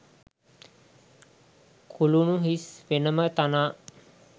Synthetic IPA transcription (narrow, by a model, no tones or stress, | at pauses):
kʰulunuɦisʋenəmət̪anaː